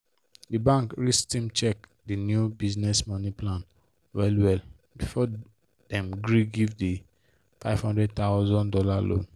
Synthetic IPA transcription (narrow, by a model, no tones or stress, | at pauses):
dibãŋkɹistĩmt͡ʃɛk | dinjubiznɛsmɔniplãn | wɛlwɛl | bifɔ | d̥ɛ̃mɡɹiɡivdi | faɪv̥hɔ̃ndɹɛd̚t̪aʊzɔ̃ndɔlalõ̰n